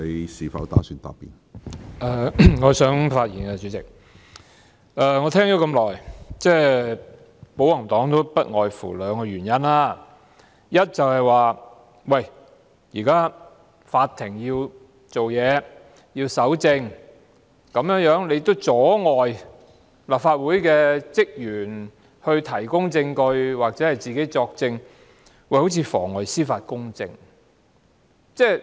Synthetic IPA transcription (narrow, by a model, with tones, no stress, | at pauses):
e˨˧jsiː˨˩fɐ̰˨˥wt̪a̰ː˨˥syː˧nt̪a̰ː˨pːḭ˨˩n | ʔɛː˨˩ŋɔː˨˧sœː˨˥ŋfaː˧t̚jiː˨˩nkɛ˧t͡sy˨˥t͡sɪ˨˩k̚ | ʔɛː˧ŋɔː˨˧t̪ʰɛː˥ŋt̪o˨˥kɐ˧mlɔː˨˩jt͡sɛː˥˩ | po˨˥wɐ˨˩ŋt̪ɔː˨˥ŋt̪o˥pɐ˥t̚ŋɔː˨jfṵː˨˩lœː˨˧ŋkɔ˧jɥyː˨˩njɐ˥naː˥ | jɐ˥t̚t͡sɐ˨whɐ˨jwaː˨ | wɐ˨j | jiː˨˩kaː˥ | faː˧t̚t̪ʰːɪ˨˩ŋjiː˧w | t͡so˨wjɛː˨˧ | jiː˧wsɐ˨˥wt͡sɪ˧ŋ | kɐ˨˥mjœː˨˥ŋjœː˨˥ŋle˧jt̪ːo˥wt͡sɔː˨˥ŋɔː˨˩j | laː˨p̚faː˧t̚wuː˨˥jkɛː˧t͡sɪ˥k̚jyː˨˩n | hɵ˧ɥt̪ʰɐ˨˩jkʊ˥ŋt͡sɪ˧ŋkɵ˧ɥwaː˨k̚t͡sɛː˨˥hɐ˨jt͡siː˨ke˨˥jt͡sɔː˧k̚t͡sɪ˧ŋ | wɐ˧jho˨˥wt͡sʰiː˧fɔ̰ː˨˩ŋːɔː˨jsiː˥faː˧t̚kʊ˥ŋt͡sɪ̰˧ŋ | t͡sɛː˥˩